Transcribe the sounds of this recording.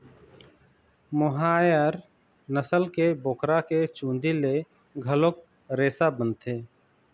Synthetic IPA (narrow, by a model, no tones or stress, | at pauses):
mʊɦaːjəɾ | nəsəlkeboːkɾaket͡ʃũːnd̪ile | ɡʱəlok̚ | ɾeːsabənt̪ʰeː